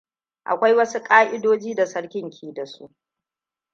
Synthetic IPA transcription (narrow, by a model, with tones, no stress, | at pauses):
ʔa̰˨kʷa˦jwɐ˦su˦kʼaː˦ʔɪ˦doː˦d͡ʒiː˦da˨sɐ˦ɽkʲɪ˦˨ŋkʲʰiː˦da˨su˦ʔ